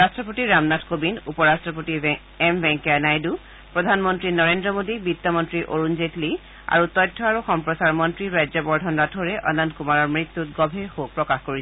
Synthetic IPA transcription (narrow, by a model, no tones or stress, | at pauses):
ɹastɹɔpotiɹamnatʰkobinupɔɹastɹɔp̬oti | ɛmbɛŋkanajdu | pɹɔdʱanmɔntɹinɔɹendɹɔmodibit̪ːɔmɔntɹiʔo̰ɹunzetli | a̰ɹutɔjtʰːɔaɹuxɔmpɹɔsaɹmɔntɹiɹajzɔbɔɹdʱɔnɹatʰoɹɛʔɔ̰nankumaɹɔɹmɹit̪ːutɡɔbʱeɹxopɹɔkaxkoɹis